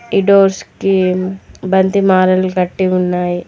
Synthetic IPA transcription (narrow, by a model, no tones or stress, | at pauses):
iɖoːɾski | bɐnd̪ʱimaːɾɐlkɐʈːiɦʊnːaːi